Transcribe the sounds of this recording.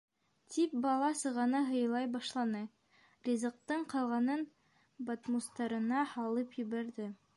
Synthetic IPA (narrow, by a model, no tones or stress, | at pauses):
t̪ʲʰip̚bɑlˠɑsɤ̆ʁɑnɤɦɤ̆jɤ̆lˠɑjbɑʃlˠɑnɤ | rʲizɤ̆q̚t̪ɤɴqɑlˠʁɑnɤn | bat̪must̪ɑɾɤ̆nɑhɑlˠɤpjɵ̆βæɾðɘ